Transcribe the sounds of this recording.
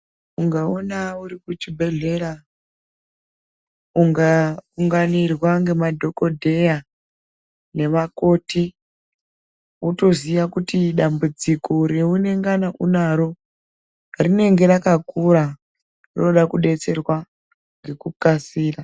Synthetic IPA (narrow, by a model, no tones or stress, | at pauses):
uŋɡaonauɾikut͡ʃibʱe̞ɮe̞ra | uŋɡauŋɡanirwaŋɡe̞madʱo̞ko̞dʱe̞ja | ne̞ʋako̞ːti | uto̞ziʋakutiɗambud͡ziko̞ɾe̞une̞ŋɡanaʔunaɾo̞ | rine̞ŋɡe̞ɾakakuɾa | rinoɗakuɗe̞t͡se̞rwa | ŋɡe̞kukasiːra